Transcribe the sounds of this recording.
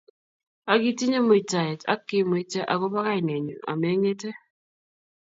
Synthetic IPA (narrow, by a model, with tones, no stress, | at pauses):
a˨ɡi˦ti˦ɲe˦mo˨i˨ta˨ɛ˨ta̰˦kːi˦mo˨i˦te˦ʔa̰˨ko˦ba˦ka˦i˨ne˨ɲu˨a̰˨me˦ɲe˦te˦